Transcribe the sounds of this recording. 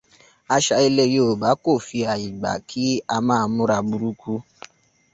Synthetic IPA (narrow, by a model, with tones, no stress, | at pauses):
a˧ʃa˧i˧le˧jo˨o˨ba˨˦ko˦˨fi˧a˨i˨ɡ͡ba̰˨kʰi˦a˧mãː˦˧mũ˦ɾa˧bu˧ɾu˦kʰu˦